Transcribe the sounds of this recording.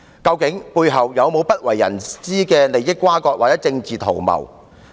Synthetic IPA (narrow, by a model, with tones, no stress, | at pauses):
kɐ˧wkɪ˨˥ŋpuː˧jɦɐ˨wjɐ˨˧wmo˨˧wpɐ˥t̚wɐ˨˩jːɐ̰˨˩nsiː˥kɛː˧le˨˩jɪ˥kːʷwaː˥kɔː˧k̚waː˨˩t͡sɛː˨˥t͡sɪ˧ŋt͡siː˨t̪ʰo˨˩wmɐ̰˨˩w